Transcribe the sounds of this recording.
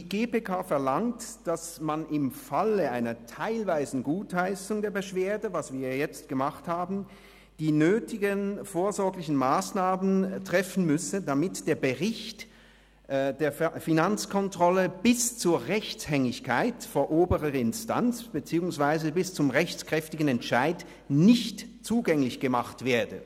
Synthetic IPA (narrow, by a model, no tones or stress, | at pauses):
iɡeːpeːkʰaːfɛɐlaŋtd̥asmanɪmfaləʔaɪnɐtʰaɪlvaɪzn̩ɡuːthaɪsʊŋdeːɐbəʃv̥eːɐdəvasv̥iːɐjɛt͡st̚ɡ̥əmaχthaːbn̩ | d̥iːnøːtɪɡənfoːɐzɔɐɡlɪçn̩maːsnaːməntʁ̥ɛfn̩mʏsədamɪtd̥eːɐbəʁɪçt | d̥eːɐfinant͡skʰɔntʁ̥ɔləb̥ɪst͡suːɐʁɛçt͡shɛŋɪçkʰaɪtfoːɐʔoːbəʁəɪnsta̰nt͡sb̥ət͡siːʊŋsv̥aɪzəbɪst͡sʊmʁɛçt͡skʁ̥ɛftɪɡn̩ɛntʃaɪd | nɪçtt͡suːɡɛŋlɪçɡ̥əmaχtv̥eːɐdə̰